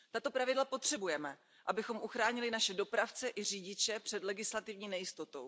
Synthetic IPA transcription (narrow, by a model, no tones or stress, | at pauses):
t̪at̪o̞pɾavɪdlapo̞t̪r̝̥ɛbujɛmɛ | ʔabɪxo̞mʔuxɾaːɲɪlɪnaʃɛdo̞pɾaft͡sɛʔɪr̝iːɟɪt͡ʃɛpr̝̥ɛdlɛɡɪslat̪ɪvɲiːnɛjɪst̪o̞t̪o̞w